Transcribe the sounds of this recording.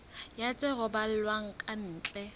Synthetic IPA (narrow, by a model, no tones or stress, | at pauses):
jat͡sʼɪɣʊbal̩lwaŋ̩kʼan̩ːt͡ɬʼɛ